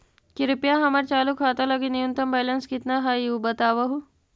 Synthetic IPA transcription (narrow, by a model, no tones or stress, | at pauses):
kiɾupjaɦɐmaɾt͡ʃaːlukʰaːt̪alɐɡinijunt̪ɐmbajlənskit̪naɦaiubət̪aːʋɐɦu